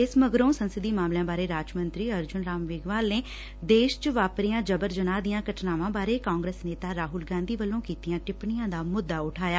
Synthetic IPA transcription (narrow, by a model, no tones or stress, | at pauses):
ɪsməɡɾõːsənsəd̪iːmaːmlɪjãːbaːɾeːɾaːd͡ʒmə̃nt̪ɾiːəɾd͡ʒʊnɾaːmʋɪːɡʋaːlneː | d̪eːʃt͡ʃəʋaːpɾijãːd͡ʒəbəɾd͡ʒənaːd̪ɪjãːkəʈʰnaːʋãːbaːɾeːkãːŋɡɾeːsneːt̪aːɾaːɦʊlɡãːnd̪iːʋəlːõːkiːt̪ijãːʈɪpɳɪjãːd̪aːmʊd̪ːaːʊʈʰaːjaː